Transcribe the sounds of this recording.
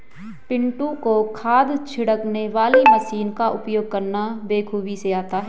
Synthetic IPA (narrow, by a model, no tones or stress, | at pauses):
pɪ̃ɳʈũkokʰaːd̪t͡ʃʰɪɽəkneʋaːlimɐsiːnkaʔʊpjoːɡ̚kɐɾnabeːkʰuːbiseaːt̪aɦɛː